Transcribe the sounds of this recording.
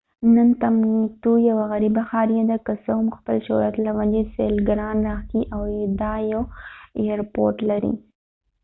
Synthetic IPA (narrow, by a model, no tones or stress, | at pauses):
nənt̪amit̪ujawaɣaɾibaxɑɾjad̪akəsəʊmxpəlʃojat̪lawad͡ʒesḛlɡɾɑnɾɑxkiʔawd̪ɑjawejaɾpo̰ɾʈlaɾḭ